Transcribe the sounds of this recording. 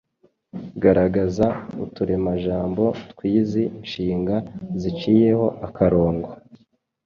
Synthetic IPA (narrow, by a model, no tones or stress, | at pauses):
ɡaɾaɡazautuɾe̞maʒaːmbo̞tkwiːziinʃiːŋɡazit͡ʃiːje̞ho̞ʔakaɾo̞ːŋɡwa